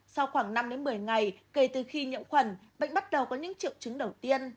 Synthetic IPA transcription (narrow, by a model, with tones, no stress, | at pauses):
sa˧wxwaː˧˩ŋna˧mɗe˨˦nmɨ˨˩əjŋa˨˩jke˧˩t̪ɨ˨˩xi˧ɲḭ˧˨əmxwə˨˩nɓa̰˧˨ŋ̟ɓa˦˥t̚ɗə˨˩wkɔ˨˦ɲɨ̰˧˥ŋt͡ɕḭ˧˨wt͡ɕɨ˨˦ŋɗə˨˩wt̪i˧ən